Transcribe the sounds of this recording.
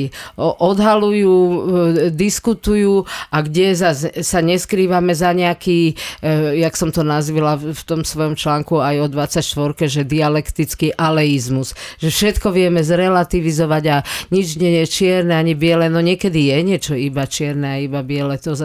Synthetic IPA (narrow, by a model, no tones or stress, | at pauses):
ʔɔd̪ɦalujuː | d̪iskut̪ujuːaɡɟɛzazsaɲɛskɾiːʋamɛzaɲɛakiː | jaksɔmt̪ɔnazʋilaft̪ɔmsʋɔjɔmt͡ʃlaːŋkuajɔd̪ʋat͡sacʃt̪ʋɔɾkɛʒɛd̪ialɛkt̪it͡skiʔalɛizmusʒ̥ɛfʃɛt̪kɔʋɪɛmɛzɾɛlat̪iʋizɔʋaɟaɲid͡ʒɲɛjɛt͡ʃɪɛɾnɛaɲibɪɛlɛnɔɲɪɛkɛd̪ijɛɲɪɛt͡ʃɔibat͡ʃɪɛɾnɛajibabɪɛlɛt̪ɔ